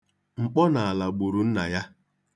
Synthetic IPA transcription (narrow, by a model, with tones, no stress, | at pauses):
ŋ͡m̩˨k͡pɔ˦na˨a˨la˨ɡ͡bʊ˨ɾu˨n̩˦na̰˨ja˦